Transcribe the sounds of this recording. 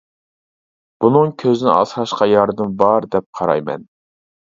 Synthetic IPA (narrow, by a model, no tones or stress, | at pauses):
b̥unɨŋkʲʰøzɪnɪɑ̰sɾɑʃqɑjɑɾd̪ɨmbɑɾd̪ɛp̚qʰɑɾɑ̰jmɛ̰n